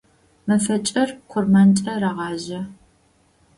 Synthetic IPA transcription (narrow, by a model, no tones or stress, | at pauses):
mɐfɐt͡ʃʼɐrqʷʰʊrmɐnt͡ʃʼɐrɐʁɑːʑɐ